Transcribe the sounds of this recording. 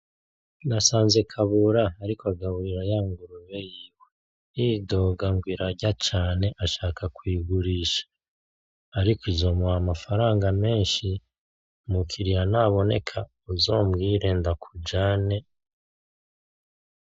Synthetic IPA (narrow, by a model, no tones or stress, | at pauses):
nasaːnze̞kʰaβuɾaːɾikoaɡaβiɾajaːŋɡuɾuβejiːwe | ido̞ɡaŋɡwiɾaɾɟat͡ʃaːne̞ʔaʃaːkʰakwiːɡuɾiːʃḁː | ɾikoizo̞muamafaɾaːŋɡame̞ːnʃi | mukʰiɾijanaβo̞ne̞̰kʰa | uzo̞ːmɡiːɾe̞ndakʰud͡ʒaːne̞